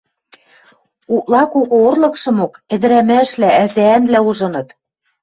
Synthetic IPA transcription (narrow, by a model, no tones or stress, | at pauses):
uʔlˠɑkoɣŏorlɤ̆kʃɤ̆mokɘ̆d̪ɘ̆ɾæmæʃlææzæːnβlæuʒɤ̆nɤ̆t̪